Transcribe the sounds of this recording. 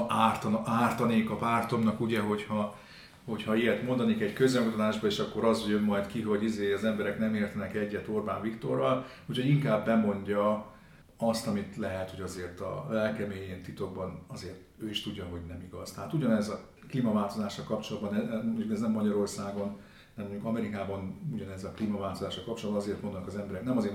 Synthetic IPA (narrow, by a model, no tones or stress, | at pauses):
aːrt̪ɒnaːrt̪ɒneːkɒpaːrt̪o̞mnɒkuɟɛɦo̞chɒ | ho̞chɒijɛt̪mond̪ɒneːkɛɟkøzɛŋkut̪ɒt̪aːʒbɒeːʃɒkːo̞ɾɒzjømːɒjt̪kiɦo̞ɟizeːɒzɛmbɛɾɛknɛmeːrt̪ɛnɛkɛɟːɛt̪orba̰ːnvikt̪o̞rːɒl | ucʰho̞ɟiŋkaːbːɛmo̞ɲɟɒ | ɒst̪ɒmit̪lɛɦɛt̪ho̞ɟɒzeːrt̪ɒ̰lɛlkɛmeːjeːnt̪it̪o̞ɡ̚bɒnɒzeːrt̪øːiʃt̪uɟːɒɦo̞ɟnɛmiɡɒz̥t̪ɛɦaːt̪uɟɒnɛzɒ | kliːmɒvaːlt̪o̞zaːʃːɒlkɒpt͡ʃo̞lɒd̪bɒnɛmmoɲɟukɛznɛmːɒɟɒɾo̞rsaːɡo̞n | nɛmoɲɟukɒmɛɾikaːbɒnuɟɒnɛzɒkliːmɒvaːlt̪o̞zaːʃɒlkɒp̚t͡ʃold̪bɒnɒzeːrt̪o̞nd̪onɒkɒzɛmbɛɾɛknɛmɒzeːr